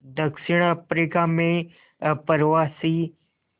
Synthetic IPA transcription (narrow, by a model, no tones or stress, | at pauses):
d̪əkʃɪɽ̃apɾikamẽ | pəɾʋasi